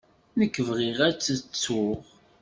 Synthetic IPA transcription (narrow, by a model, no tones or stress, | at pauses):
nəkːəvʁiʁæt͡sːət͡sːʊʁ